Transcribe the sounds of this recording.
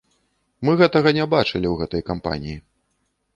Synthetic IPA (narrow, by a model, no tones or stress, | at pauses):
mɨɣɛt̪ɐɣɐnʲɛbat͡ʂɐlʲiwɣɛt̪ɐjkampa̰nʲiji